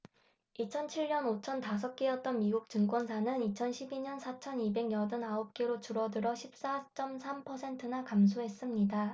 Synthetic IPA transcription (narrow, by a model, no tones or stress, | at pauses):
it͡ɕʰʌnt͡ɕʰiɭɲʌnot͡ɕʰʌntas̬ʰʌk̚k͈eʌt̚t͈ʌnmiɡuk̚t͡ɕɯŋk͈wʌnsʰanɯnit͡ɕʰʌnɕʰibiɲʌnsʰat͡ɕʰʌnibe̞ɡjʌdɯnaʌp̚k͈eɾot͡ɕuɾʌdɯɾʌɕʰip̚s͈at͡ɕ͈ʌmsʰampʰʌsʰe̞ntʰɯnakams̬ʰoɦe̞s͈ɯmɲida